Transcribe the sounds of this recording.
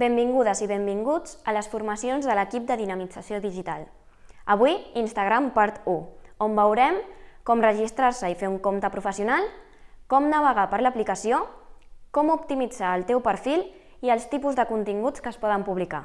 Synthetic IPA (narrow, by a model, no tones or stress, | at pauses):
bembiŋɡuðəziβembiŋɡud͡zələsfuɾməsionzðələkip̚d̪əðinəmid͡zəsioðiʒit̪a̰lˠ | əβuiinst̪əɣɾampaɾt̪uombəwɾɛmkɔmrəʒist̪ɾaɾsəifeuŋkomt̪əpɾufəsiunalˠ | kɔmnəβ̞əɣapəɾləplikəsiokɔmup̚t̪imid͡zaəlˠt̪ɛwpəɾfilˠ | iəlˠst̪ipuzðəkunt̪iŋɡut͡skəspɔðəmpuβlika̰